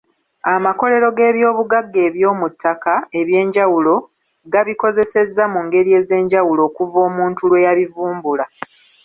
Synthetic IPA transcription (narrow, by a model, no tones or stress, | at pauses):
amako̞le̞ɾo̞ɡe̞ːβjo̞ːβuɡaɡːe̞ːβjo̞ːmutʰːakae̞βje̞ːɲɟawulo̞ | ɡaβiko̞ze̞se̞zːamuŋɡe̞ɾie̞ːze̞ːɲɟawulo̞ːkuvo̞ːmuːntulwe̞jaβivuːmbula